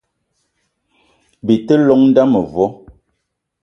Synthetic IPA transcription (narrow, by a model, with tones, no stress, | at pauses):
bi˨tə˦lɔ˨˦ŋn̩˦da˦mə˨vwɔ˨˦